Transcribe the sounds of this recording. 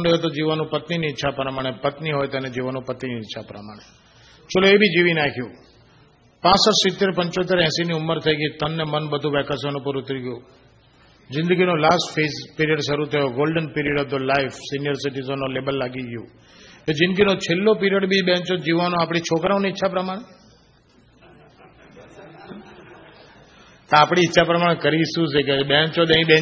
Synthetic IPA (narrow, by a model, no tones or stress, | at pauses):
nɖəjot̪̬od͡ʒiʋanũpət̪niniːtːʃʰapɾəmaɽ̃epət̪niɦojt̪əned͡ʒiʋanũpət̪niniɪtːʃʰapɾəmaɽ̃e | t͡ʃʰoloebʱid͡ʒiʋinakʰjũː | pãsəɾsɪt̪ːeɾpəɲt͡ʃot̪eɾɛ̃ːsiniʊmːəɾt̪ʰəjɡəit̪ənːemənbəd̪ʱũʋɛkasənũpəɾʊt̪ɾiɡjũː | zɪ̃nd̪əɡʱinolasʈfezpiɾijəɖʃəɾut̪ʰəjoɡolɖənpiɾijəɖɔʋd̪əlaɪfsinɪjəɾsɪʈizənːolebəlːaɡiɡjõ | t̪od͡ʒɪ̃nd̪əɡʱinot͡ʃʰelːopiɾijəɽbʱiɓɛ̃ɲt͡ʃod͡ʒiʋʋanõaːpɽ̃it͡ʃʰokɾaõniɪtːʃʰapɾəmaɽ̃e | t̪oaːpɽ̃iːtːʃʰapɾəmaːɽekəɾisũsʰekebɛ̃t͡ʃod̪ə̃ĩbɛ̃